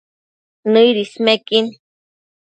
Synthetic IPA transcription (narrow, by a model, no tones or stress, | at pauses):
nɨjɾismekin